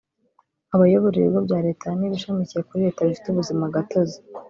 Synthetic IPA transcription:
aβajoβoɾiɾḛbɡobɟaːɾe̞ːtaniβiʃamicije̞kuɾiɾe̞ːtaβifi̥tuβuzimaɡatozi̥

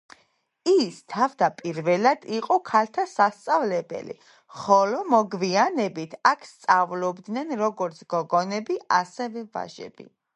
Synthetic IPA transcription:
ist̪ʰavd̪apʼiɾvɛlad̪̥iqʼɔkʰalt̪ʰasast̪sʼavlɛbɛ̰lḭ | χɔlɔmɔɡvianɛbit̪ʰakʰst̪sʼavlɔbd̪nɛnɾɔɡɔɾt̪sʰɡ̥ɔɡɔnɛbiasɛvɛva̰ʒɛ̰bḭ

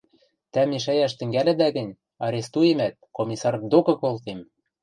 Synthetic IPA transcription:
t̪æmeʃæjæʃt̪ɘ̆ŋɡælɘ̆d̪æɣɘ̆nʲ | ɑɾʲest̪ujemæt̪̚komʲisɑrd̪okɤ̆kolt̪em

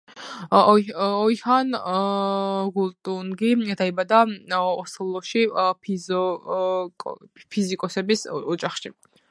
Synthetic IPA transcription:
ɔjhan | ɡult̪ʼunɡid̪aibad̪aɔslˠɔʃipʰizɔ | kʼpʰizikʼɔsɛbisɔd͡ʒaχʃi

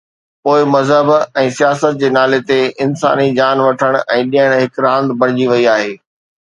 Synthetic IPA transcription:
poːɪmɐzɦəbɛ̃ːsijaːsət̪̚d͡ʑeːnaːlet̪eɪnsa̰ːnid͡ʑaːnʋɐʈʰəɽ̃ɛ̃ːɗijəɽ̃ɦɪkɾãːnd̪bɐ̃ɽ̃ɪd͡ʑiʋɐiaːɦeː

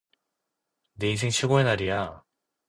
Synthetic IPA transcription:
ne̞is̬ʰeŋɕʰiɡoenaɾija

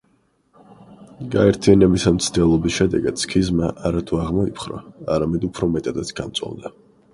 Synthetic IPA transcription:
ɡaɛɾt̪ʰijanɛbisamt̪sʰd̪ɛlˠɔbisʃɛd̪ɛɡad̪̥skʰizmaʔaɾat̪ʰuaʁmɔipʰχɾɔ̰aɾamɛd̪upʰɾɔmɛt̪ʼad̪at̪sʰɡ̥ant̪sʼɔ̰vd̪a

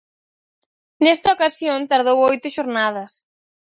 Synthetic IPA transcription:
nɛst̪ɐokasjont̪aɾð̞owojt̪ʊʃoɾnað̞ɐs

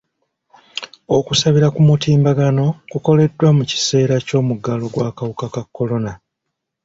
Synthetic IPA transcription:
o̞kusaβiɾakumutiːmbaɡano̞kuko̞le̞dːwamuci̥se̞ːɾaco̞ːmuɡalo̞ɡwaːkawukakakːo̞lo̞na

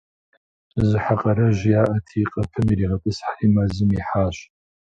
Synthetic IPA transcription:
zɨħaqʼɐɾɐʒjaːʔɐtʰiːqʼɐpʰɨmiɾiːʁɐpʼɨsħaimazɨmiħaːɕ

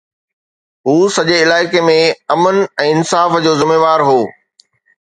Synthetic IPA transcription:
ɦuːsɐʄeɪlaːɪkemẽɐmənɛ̃ːɪnsaːfd͡ʑoːzɪmeːʋaːɾɦoː

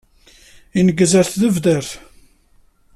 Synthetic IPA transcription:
inəɡəzəɾθðəvðæɾθ

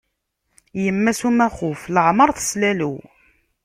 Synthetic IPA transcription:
jəmːæsumæχʊfləʕməɾˤθslælu

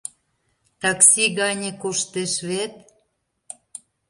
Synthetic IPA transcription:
t̪ɑksʲiɣɑnʲĕkoʃt̪eʃβet̪̚

